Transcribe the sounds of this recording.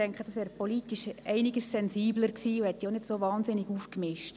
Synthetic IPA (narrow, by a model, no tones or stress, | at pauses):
ɛŋkχəd̥ɑsʋɛːɾpolitiʃɛɪnɪɡəssɛnziːbləɾksiːuhɛt̪ːionɪdsovɑːnsɪniɡufkmɪʃt